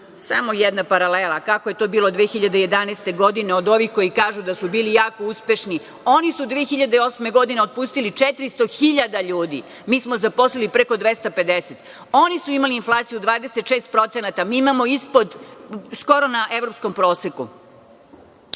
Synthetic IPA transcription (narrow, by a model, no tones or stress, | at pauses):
sa̰mojed̪napaɾalelˠakako̞je̞t̪o̞ːbiːlˠod̪ʋexiʎad̪eje̞d̪anest̪e̞ɡo̞d̪ineod̪o̞ʋixko̞jikaːʒud̪asubiːlijaːko̞uspe̞ʃni | o̞nisud̪ʋeexiʎad̪eo̞sme̞ɡo̞d̪ineo̞d̪̚puːst̪ilit͡ʂet̪ɾist̪o̞xiʎad̪aʎuːd̪ḭ | miːsmozapo̞slilipɾeko̞d̪ʋest̪ape̞d̪eset̪ | o̞nisuimaliːnflˠaːt̪sijud̪ʋaːd̪e̞set̪ʃeːst̪̚pɾo̞t̪senat̪amiːimamo̞ispo̞d̪sko̞ɾo̞naʔe̞ʋɾo̞psko̞mpɾo̞ːseku